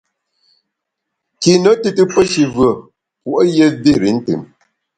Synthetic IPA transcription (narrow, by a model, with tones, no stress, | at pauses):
ki˨nə˨˦tɨ˦tɨ˦pə˦ʃi˨vɰə˨ | pu˨ʔə˦je˦de˦˨ɾi˨˦n̩˦tɨ̰˨m